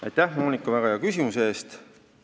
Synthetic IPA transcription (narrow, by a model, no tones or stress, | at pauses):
ɑ̰jt̪ːˑæhmo̞ːnʲikːˑɑvæɡ̥ɑjɑkysʲimusee̞ːst̪